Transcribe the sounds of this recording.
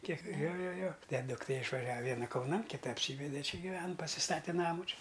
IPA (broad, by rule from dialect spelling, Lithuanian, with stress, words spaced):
ˈkʲiɛk ˈjoː ˈjoː ˈjoː ˈtʲɛn dʊkˈtʲeː ɪʃʋɐˈʒʲɛw ɪ ˈʋʲiɛnɐ kɐʊˈnɐn kʲɪˈtɐ ɐpʲˈsʲiːʋʲɛdʲɛ ˈt͡ʃʲɪ ɡʲɪˈʋʲɛn pɐsʲɪˈstɑːtʲɛ ˈnɑːmʊ ˈt͡ʃʲɪ